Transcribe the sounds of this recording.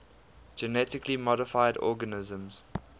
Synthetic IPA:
d͡ʒənɛtɪklimɔɾɪfaɪdɔ̰ːɡənɪzə̃mz̥

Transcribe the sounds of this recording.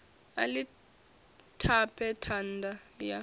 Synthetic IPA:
a̰li | tʰapʰɛtʰandʱaja

